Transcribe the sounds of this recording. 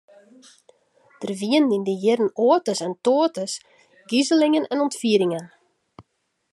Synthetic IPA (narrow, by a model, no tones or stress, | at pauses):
d̥ərʋiəndindəjɪrən̩oətəsɛntoətəs | ɡizəlɪŋənɛnɔntfiːɾɪŋən